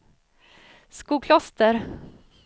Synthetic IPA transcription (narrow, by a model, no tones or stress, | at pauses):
skuːkʰlɔst̪əɾ